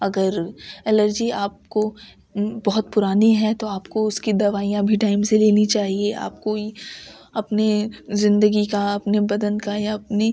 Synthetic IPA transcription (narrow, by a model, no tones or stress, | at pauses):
ɐɡəɾɛləɾd͡ʒiaːp̚ko | bɔɦʊt̪pʊɾaːniɦɛt̪oaːpkoʊskid̪ɐʋaːijãbʱiʈaːɪmseleːnit͡ʃaːɦiea̰ːp̚koi | ɐpnizɪ̃nd̪əɡikaɐpnebɐd̪ənkajaɐpne